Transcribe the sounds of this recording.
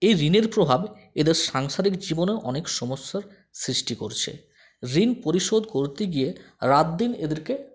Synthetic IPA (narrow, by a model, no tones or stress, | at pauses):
ejɾineɾpɾobʱab | ed̪eɾʃaŋʃaɾikd͡ʑiboneʔɔnekʃɔmosːaɾ | sɾiʃʈikoɾt͡ɕʰḛ | ɾinpoɾiʃod̪koɾt̪eɡije | ɾat̪̚d̪ined̪eɾke